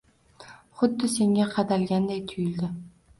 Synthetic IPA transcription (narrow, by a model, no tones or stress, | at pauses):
χʊd̪ːɪse̞ŋaqʰɑd̪alɡʲand̪ajt̪ʰʊjɪld̪ɪ